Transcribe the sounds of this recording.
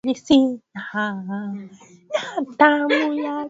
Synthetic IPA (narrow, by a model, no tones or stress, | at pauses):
lisiaha | jat̪amuja